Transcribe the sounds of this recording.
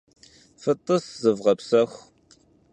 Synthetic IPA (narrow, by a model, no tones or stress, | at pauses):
fət̪ˤʼːəszəvʁɐpsɐxʷ